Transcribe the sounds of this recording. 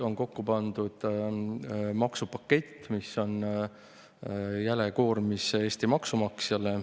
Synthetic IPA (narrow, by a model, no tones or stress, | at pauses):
o̞ŋko̞kːupɑnd̪ud̪̥ | mɑksupɑkːe̞t̪ːmiso̞n | jæle̞ko̞ːrmisee̞ːst̪imɑksumɑksjɑle